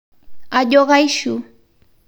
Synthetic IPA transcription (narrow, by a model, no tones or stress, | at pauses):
aʎoɢɑjʃʊ